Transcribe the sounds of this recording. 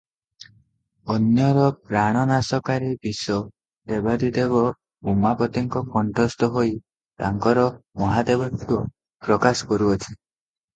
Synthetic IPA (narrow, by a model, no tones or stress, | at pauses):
ɔnjɔɾɔpɾaɽ̃ɔnasɔkaɾibisɔ | d̪ebad̪id̪eβɔ | umapɔt̪iŋkɔkɔɳʈɾɔst̪ɔɦoj | t̪aŋkɔɾɔmɔɦad̪ebɔt̪uɔ | pɾɔkasɔ̥kɔɾuɔt͡ʃʰi